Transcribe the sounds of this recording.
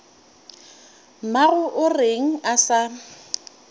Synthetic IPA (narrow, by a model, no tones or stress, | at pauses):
maɣʊʔʊreŋ̩asa